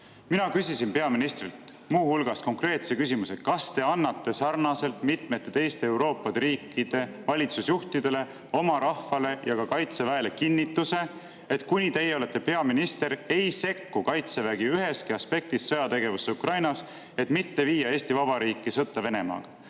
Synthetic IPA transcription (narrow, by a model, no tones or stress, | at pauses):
minɑkysisinpe̞ɑminist̪rilt̪ | muːhulɡ̥ɑsko̞ŋkre̞ːt̪se̞kysimusekɑst̪e̞ɑnːɑt̪ːe̞sɑrnɑse̞lt̪mit̪met̪ːˑet̪e̞jst̪e̞ewɾo̞ːpːˑɑd̪eɾiːkːˑid̪̥e̞ | vɑlʲit̪susjuht̪id̪e̞le̞ | o̞mɑɾɑhfɑle̞jɑkɑkɑjt̪se̞væe̞le̞kinːit̪ːˑuse̞ | et̪kunʲit̪e̞jeo̞let̪ːepe̞ɑminist̪e̞ɾe̞jse̞kːukɑjt̪se̞væɡiyɦe̞skiɑspe̞k̚t̪isːɤjɑt̪e̞ɡ̥e̞vusːeukrɑjnɑs | e̞t̪mit̪ːe̞viːjːɑe̞ːsʲt̪ivɑb̥ɑɾiːkˑːisɤt̪ːˑɑve̞ne̞mɑ̰ːɡ̥ɑ